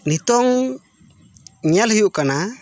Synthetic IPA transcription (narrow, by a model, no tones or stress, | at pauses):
nit̪ɔŋ | ɲalhiuʔkana